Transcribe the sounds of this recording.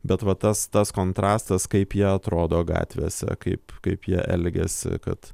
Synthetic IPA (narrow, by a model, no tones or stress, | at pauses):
bʲɛt̪ʋɐt̪ɐst̪ɐskoːnt̪ɾɑːst̪ɐskɐɪpjiɛɐt̪ɾoːd̪oːɡɑ̰ːt̪ʲʋʲḛːsʲɛ̰kɐɪpkɐɪpjiɛʔɛlʲɡʲɛ̰sʲɪ̰kɐ̰t̪